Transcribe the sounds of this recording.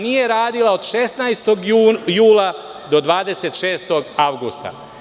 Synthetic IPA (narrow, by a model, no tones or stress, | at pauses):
nije̞ɾaːd̪ilˠaod̪ʃesnajst̪oɡjuːlˠa | d̪o̞d̪ʋaːd̪e̞se̞t̪ʃe̞ːst̪o̞ɡaʋɡust̪a̰